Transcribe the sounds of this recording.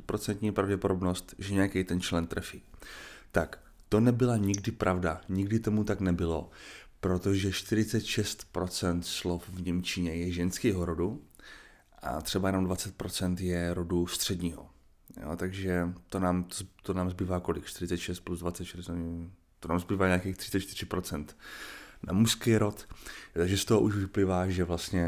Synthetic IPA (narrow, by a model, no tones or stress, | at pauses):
pɾo̞t͡sɛnt̪ɲiːpɾavɟɛpodo̞bno̞st̪ʒɛɲɛjakɛjt̪ɛnt͡ʃlɛnt̪ɾɛfiːt̪ak | t̪o̞nɛbɪlaɲɪɡdɪpɾʔavdaɲɪɡdɪt̪o̞mut̪aknɛbɪlo̞pɾo̞t̪o̞ʒɛʃt̪ɪɾɪt͡sɛt̪ʃɛst̪pɾo̞t͡sɛnt̪slo̞fvɲɛmt͡ʃɪɲɛjɛʒɛnskɛjɦoɾo̞du | ʔa̰t̪r̝̥ɛbajɛnomdvat͡sɛt̪̚pɾo̞t͡sɛnt̪jɛɾodust̪r̝̥ɛdɲiːɦo̞̰ | jo̰t̪aɡʒɛt̪onaːmt̪ozt̪onaːmzbiːvaːko̞lɪkʃt̪ɪɾɪt͡sɛt̪ʃɛst̪̚pluzdvatt͡sɛt̪ʃɛɾoɲɛ | t̪onaːmzbiːvaːɲaːkejxt̪ɪ̥t͡ssɛt̪t͡ʃt̪ɪɾ̝ɪpɾo̞t͡sɛnt̪na̰muskɛjɾo̞t̪t̪aɡʒɛst̪oɦoʔuʃvɪplɪvaːʒɛvlast̪ɲɛ